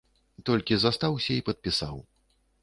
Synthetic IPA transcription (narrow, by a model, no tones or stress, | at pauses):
t̪ɔlʲkʲizast̪awsʲɐipɐt̪̚pʲisaw